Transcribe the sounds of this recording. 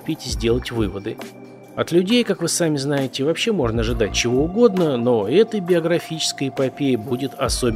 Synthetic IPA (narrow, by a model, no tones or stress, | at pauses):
pʲetʲɪzʲdʲe̞lˠətʲvɨvəd̪ɨ | ɐt̪lʲʉdʲejkakvɨsamʲɪznajɪtʲɪvɐpɕːe̞mo̞ʐnəːʐɨd̪at̚ʲt͡ɕɪvo̞ʊɡo̞d̪nəno̞ɛt̪əjbʲɪəɡɾɐfʲit͡ɕɪ̥skəjɪpɐpʲejɪbudʲɪt̪ɐsobʲ